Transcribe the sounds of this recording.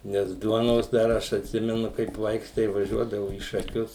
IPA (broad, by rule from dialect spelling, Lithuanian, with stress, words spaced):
ˈnʲɛs ˈduɔnoːs dɐr ˈɐʃ ɐtʲˈsʲɪmʲɛnʊ kɐɪp ˈʋɐɪks tɐɪ ʋɐˈʒʲuɔdɐʋʊ iː ʃɐˈkʲʊs